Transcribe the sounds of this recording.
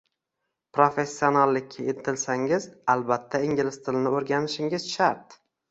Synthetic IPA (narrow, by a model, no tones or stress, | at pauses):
pɾofe̞sːio̞nalːɪkʲʰːaet̪ʰɪlsaŋɪzalbat̪ʰːaɪŋɡʲɪlɪst̪ʰɪlɪnɪoɾɡʲanɪʃɪŋɪzʃaɾt̪